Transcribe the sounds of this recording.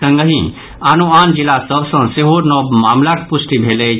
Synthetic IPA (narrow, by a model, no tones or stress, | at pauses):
ə̃ŋɡəɦĩ | anuand͡ʒilasəbsə̃seɦonɔbmamlakpusʈibʱele